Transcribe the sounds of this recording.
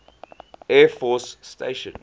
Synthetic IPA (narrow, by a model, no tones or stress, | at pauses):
ɛfɔsːtḛɪʃə̰̃n